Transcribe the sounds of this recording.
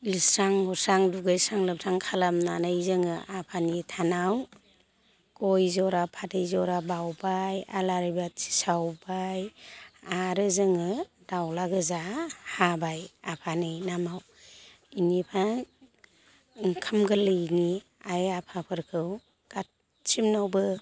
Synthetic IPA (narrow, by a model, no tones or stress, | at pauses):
lisɾaŋhɔsaŋduɡɯjsaŋlɯp̚tʰaŋkʰalamnanajzɯŋɯʔapʰanitʰanaw | kɔjzɔɾapʰadɯjzɔɾabawbaja̰laɾɯjbasi̥sawbajaɾɯzɯŋɯ | d̥awlaɡɯzahabajapʰanɯjnamaw | inipʰa | kʰɯmɡɯlɯjniajapʰapʰɯɾkʰɯw | ɡ̥at̚ | t͡ʃimnawbɯ